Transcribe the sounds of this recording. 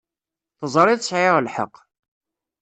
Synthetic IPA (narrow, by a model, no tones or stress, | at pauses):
θəzˤɾˤɪðsʕɪʁlħə̰qː